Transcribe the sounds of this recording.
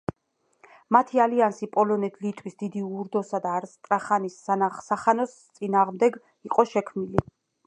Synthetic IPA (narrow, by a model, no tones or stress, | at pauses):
mat̪ʰialiansipʼɔlɔnɛt̪ʰlit̪ʼwisd̪id̪iuɾd̪ɔsad̪aːɾst̪ʼɾaχanisːasaχanɔst̪sʼinaːʁmd̪ɛɡ | iqʼɔʃɛkʰmnili